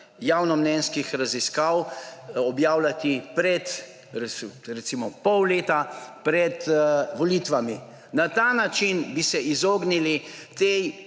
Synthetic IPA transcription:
jawnɔmnɛnskixɾaziskawɔbjaːwlat̪ipɾɛt̪ | ɾɛɾɛt̪siːmɔpɔwleːt̪apɾɛt̪ʋɔlit̪ʋami | nat̪aːnat͡ʃinbisɛʔizoːɡnilit̪ej

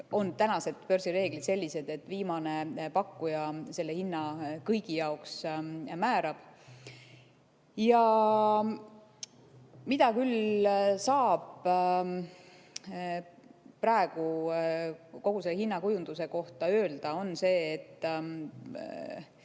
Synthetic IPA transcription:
o̞nt̪ænɑse̞d̪̥pø̞ɾrsiɾe̞ːɡ̥lit̪se̞lʲːise̞d̪̥e̞t̪ːˑviːmɑne̞pɑkːujɑse̞lːe̞hinːɑkɤjɡ̥ijɑoksmæːɾɑb̥ | jɑ | mid̪̥ɑkylsɑːb̥ | prɑe̞ɡ̥u | ko̞ɡ̥use̞lːehinːɑkujund̪̥use̞ko̞ht̪ɑøːld̪̥ɑo̞nse̞ːt̪ː

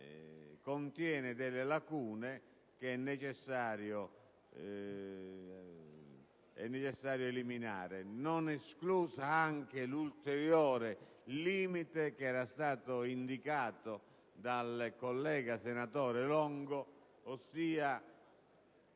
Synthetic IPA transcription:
kont̪jɛːnɪd̪ɛlːɪlakuːnɪ | k̟eɛnːɛt͡ʃɛsːaːɾjo | ɛ̰nːɛt͡ʃɛsːaːɾjoeliminaːɾɪnonɛskluːsaaŋk̟ɪlult̪ɛɾjɔːɾɪ | liːmit̪ek̟ɛːɾast̪aːt̪ʊind̪ikaːt̪ʊ | d̪alkolːɛːɡasenat̪ɔːɾɪlɔŋɡʊː | sːiːa

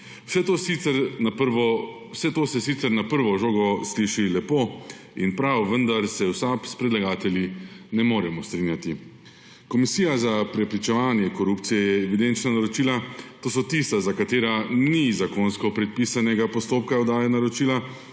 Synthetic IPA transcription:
sɛt̪oiɛɾɾʋɔ | wsɛt̪oːsɛsit̪sɛɾnapəɾʋɔʒoːɡɔsliʃilɛpoː | inpɾawʋənd̪aɾsɛwsapspɾɛd̪laɡaːt̪ɛljinɛmoːɾɛmɔst̪ɾinjat̪i | kɔmisiːjazapɾɛpɾit͡ʃɛʋaːnjɛkɔɾupt̪sijɛjɛːʋid̪ent͡ʃnanaɾɔt͡ʃiːlat̪oːsɔt̪ist̪azakat̪eːɾanizakonskɔpɾɛt̪̚pisanɛɡapɔst̪oːpkaɔd̪aːjɛnaɾɔt͡ʃiːla

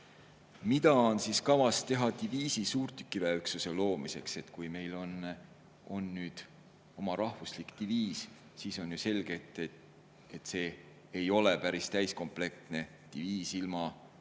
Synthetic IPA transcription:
mid̪̥ɑonsiskɑvɑst̪e̞ɦɑt̪iviːsisuːrt̪y̥kːˑivæeyksuse̞lo̞ːmise̞kse̞t̪kujme̞jlo̞n | o̞nːyːd̪̥ | o̞mɑɾɑhvuslikt̪iviːs | siːso̞njuse̞lɡ̥e̞t̪ːˑ | et̪ːse̞ː | jo̞lepæɾist̪æjsko̞mple̞k̚t̪ne̞ | t̪iviːsilmɑ

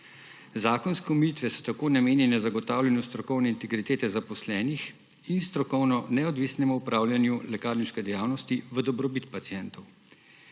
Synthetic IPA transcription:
zaːkɔnskɛumjit̪ʋɛsɔ̥t̪akoːnameːnɛnɛzaɡɔt̪aːwlʲanjust̪ɾɔkɔwnɛint̪ɛɡɾit̪eːt̪ɛzapɔslɛːnix | inst̪ɾɔkɔwnɔnɛɔd̪ʋisnɛmuupɾaːwljanjulɛkaːɾniʃkɛd̪ɛjaːwnɔst̪iʋəd̪ɔbɾɔbit̪pat̪siɛnt̪ɔw

